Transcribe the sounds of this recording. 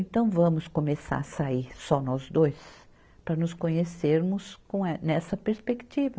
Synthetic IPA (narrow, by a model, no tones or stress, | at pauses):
ẽnt̪ɐ̃w̃vɐ̃mʊskomesa̰ɾsaiɾsɔnɔzd̪ojs | pɾɐnʊskõɲeseɾmʊskõw̃ɛnɛsɐpeɾspekt͡ʃivɐ